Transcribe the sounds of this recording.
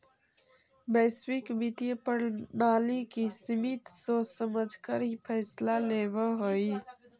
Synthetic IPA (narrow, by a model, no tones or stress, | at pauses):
bəswikbit̪iepəɽnaːlikisimit̪sosəməd͡ʒʱkəɾipʰəːslalebəɦoj